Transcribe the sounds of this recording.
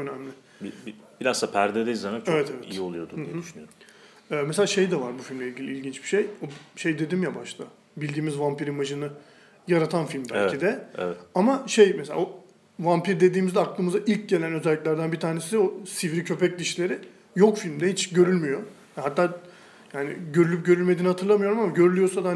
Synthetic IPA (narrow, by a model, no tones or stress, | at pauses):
ønæmlʲɪ | bibib̥iɾazsapʰæɾd̪ɛd̪eizanat͡ʃevɛt̪ʰevɛḭjio̞lˠujo̞d̪ujɛyʃynyj | ɛːmɛselʲaːʃe̞jd̪ɛvaɾbufilʲmlʲeilʲɟʲilʲiilʲɟint͡ʃb̥i̥ʃe̞joʃe̞jd̪e̞d̪imjabaʃt̪ʰˠa | bilʲd̪iːmizvampiɾimaʒɯnɯ | jaɾat̪ʰanfilʲmd̪ælʲcʰid̪ɛ̰amaʃe̞jmɛselʲa̰o | vampiɾd̪e̞d̪iːmizɛaklˠɯːmɯzaʔilʲc̚ɟe̞lʲænø̞zɛlʲːiclʲæɾd̪ænbiɾt̪ʰaːɾne̞sid̪ɛosivɾicʰø̞pɛc̚d̪iʃlʲe̞ɾɪ | jo̞kfilʲmd̪ɛhit͡ʃɟø̞ɾylʲmyjo̞ | aɦat̪ːaː | jaːnɪ̰ɟø̞ɾylʲyp̚ɟø̞ɾylʲme̞d̪iːnihat̪ʰɯɾlˠamɯjo̞ɾumamaɟø̞ɾylʲyjo̞ɾsad̪aha